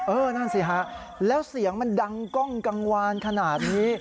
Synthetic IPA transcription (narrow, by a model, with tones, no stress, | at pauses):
ʔɤː˧na˥˩nsi˨˩kʰa˦˥ʔ | lɛː˦˥wsi˨˩˦əŋma˧nda˧ŋkɔ˥˩ŋka˧ŋwaː˧nkʰa˧naː˨˩t̪̚niː˦˥